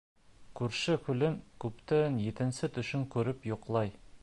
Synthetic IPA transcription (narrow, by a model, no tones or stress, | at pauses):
kʉɾʃɘkʉlɘŋkʉpt̪ænjit̪ɘ̆nsɘt̪ɵ̆ʃɵŋkʉɾɘpjoqlˠɑj